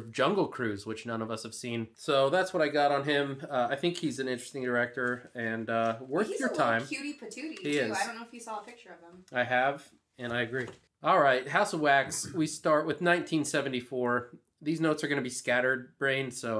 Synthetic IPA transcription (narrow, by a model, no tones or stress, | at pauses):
vd͡ʒʌ̃ŋɡl̩ˠkʰɹ̥ʉzwɨt͡ʃnʌ̃nʌvʌshɨv̥sĩnsoʊðætswʌɾaɪɡɑɾn̩ɪ̃maɪθɪ̃ŋkhizɨ̃nɪ̃nt͡ʃɹ̥ɨstɪ̃ŋdə˞ɛk̚tə˞ɨ̃nʌwɜ˞θjə˞tʰãɪ̃mjʉɾipʰɨtʰʉɾihiɪzɪdõʊ̃noʊɪfhiz̥ɔlˠəpʰɪk̚t͡ʃə˞ʌv̥ə̃maɪɨv | ɨ̃naɪɨɡɹi | ɔlˠɹaɪt̚ɦaʊsʌvwækswistɑɹt̚wɨðnãɪ̃ntʰĩnsɛvɨ̃n̩tifɔɹ | ðiznoʊtsə˞ɡʌnɨbiskæɾə˞d̚bɹẽɪ̃n̥soʊ